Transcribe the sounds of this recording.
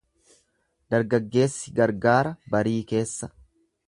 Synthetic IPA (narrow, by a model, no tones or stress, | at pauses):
d̪̥ɐɾɡɐɡːe̞ːsːɪɡɐɾɡaːɾɐbɐɾiːke̞ːsːɐ